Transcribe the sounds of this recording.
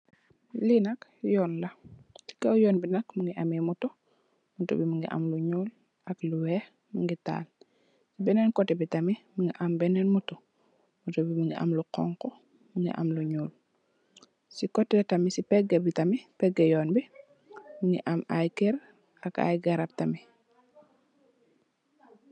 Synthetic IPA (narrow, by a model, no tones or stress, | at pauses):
linɐkjɔːnlɐti̥kɐwjɔːnbinɐkmuŋɡiʔɐmimutɔ | mutṵbimuŋɡḭʔɐ̰mluɲuːl | ɐkluwɛ | muŋɡita̰ːl | sibɛnɛnkɔtːɛbitɐmimuŋɡiʔɐmbɛnɛnmutu | mutɔbimuŋɡiʔa̰mluqɔ̰ŋkɔ | muŋɡḭʔɐ̰mluɲuːl | sikɔtːɛtɐmisipɛɡebitɐmipɛɡːɐjɔːnbi | muŋɡḭʔɐmajkɛɾ | ɐka̰jɡɐɾap̚tɐmi